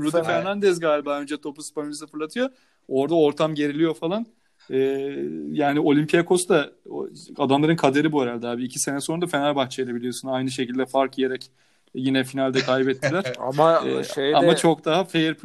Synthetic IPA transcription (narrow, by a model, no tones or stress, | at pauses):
ɾud̪ifæɾnand̪ɛzɡaːlʲibaːø̞nd͡ʒɛt̪ʰo̞puspamiisafɯɾlˠat̪ʰɯjo | o̞ɾd̪aoɾt̪ʰamɟe̞ɾilʲijo̞falˠan | ɛːjaːnio̞lʲimpʰijakʰo̞sd̪a | ad̪amlˠaɾɯnkʰad̪e̞ɾibueɾalʲd̪ɛɦaːbiːcʰi̥se̞nɛso̞nud̪afenalʲbaxt͡ʃʰejlʲˠebilʲijo̞sunajnɯʃ̬e̞cilʲd̪ɛfaɾkijeɾɛc | jinɛfinalʲd̪ɛkʰajbɛt̪ʰːilʲæɾ̥a̰maɛ̰ʃejamat͡ʃʰo̞k̚d̪aɦafejɛɾp